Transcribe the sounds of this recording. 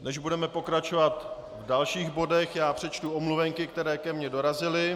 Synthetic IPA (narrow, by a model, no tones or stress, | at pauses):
nɛʒbudɛmɛpo̞kɾat͡ʃo̞vat̪ | vdalʃiːɣbo̞dɛxjaːpr̥ɛt͡ʃt̪uomluvɛŋkɪk̚t̪ɛɾɛːkɛmɲɛdo̞ɾazɪlɪ